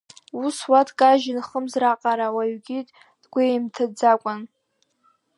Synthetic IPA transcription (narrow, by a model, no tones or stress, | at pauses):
uswatʰkʼaʒɪnχəmzraqʼaɾawaɥɡʲitʼ | d̥ɡʷemtʰad͡zakʷʼan